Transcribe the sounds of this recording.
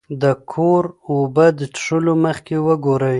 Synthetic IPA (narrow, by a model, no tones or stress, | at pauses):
d̪əkʰoɾobəd̪əʈʂəloməxkewəɡoɾəj